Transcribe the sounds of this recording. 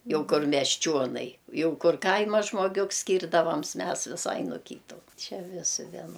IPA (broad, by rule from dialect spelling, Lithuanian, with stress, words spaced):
ˈjɛʊ ˈkʊr mʲɛsʲˈt͡ʃʲoːnɐɪ ˈjɛʊ ˈkʊr ˈkɐɪmɐ ʒmoːˈɡʲʊks sʲkʲiːrdɐˈʋɐms ˈmʲɛs ʋʲɪˈsɐɪ noː ˈkʲiːtʊ ˈt͡ʃʲɛ ˈʋʲɪsʲɪ ʋʲiɛˈnoː